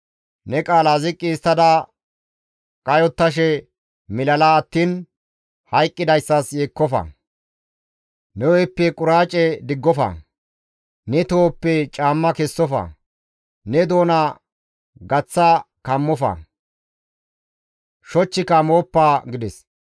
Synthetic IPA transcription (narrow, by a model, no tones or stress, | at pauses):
nɛkʼaːlazɪkʼːiːst̪ːɐd̪ɐ | kʼɐjɔt̪ːɐʃ̬ɛ | mɪlɐlaːt̪ːiːn | hɐjkʼːɪd̪ɐjsːɐsjeːkːɔfɐ̰ | nɛwɔjpːɛkʼʊɾaːt͡ʃʼɛd̪ɪɡːɔfɐ̰ | nɛt̪o̞ːpːɛt͡ʃʼaːmːɐkɛsːɔfɐ̰ | nɛd̪o̞ːna | ɡɐt͡sːɐkɐmːɔfɐ̰ | ʃɔt͡ʃːɪkɐmo̞ːpːaːɡɪd̪ɛs